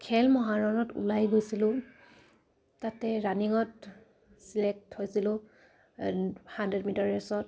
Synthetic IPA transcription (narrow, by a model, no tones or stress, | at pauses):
kʰɛlmɔɦaɹɔnɔtṵlajɡojsilʊ̃ | tatɛɹaniŋɔt | silɛk̚thojsilʊ̃ | handɹɛdmitaɹɛsɔt̚